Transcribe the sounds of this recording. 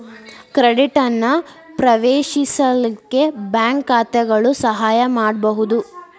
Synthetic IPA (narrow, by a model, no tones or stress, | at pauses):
kɾeɽiʈɐnːɐ | pɾɐʋeːʃisɐlikːe̞bjaːŋkaːt̪ɛɡɐɭusɐɦaːjɐmaːɽbɐɦud̪u